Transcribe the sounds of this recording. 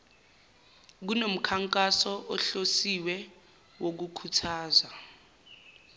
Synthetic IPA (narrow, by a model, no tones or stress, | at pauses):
k̬unom̩kʰaŋkʼasɔʔɔɬosiwɛ | wok̬ukʰutʰaːza